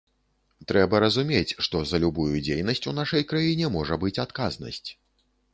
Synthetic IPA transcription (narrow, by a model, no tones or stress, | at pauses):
t̪ɾɛbɐɾɐzumʲet͡sʲʂt̪ɔzɐlʲubujud͡zʲejnɐsʲt͡sʲunaʂɐjkɾajinʲɛmɔʐɐbɨt͡sʲat̪kaznɐ̰sʲt͡sʲ